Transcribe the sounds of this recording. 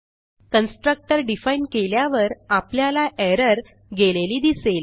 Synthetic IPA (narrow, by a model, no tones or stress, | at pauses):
kənsʈɾək̚ʈəɾɖifainkeljaʋəɾapljalaʔɛɾəɾ | ɡeleliːd̪isel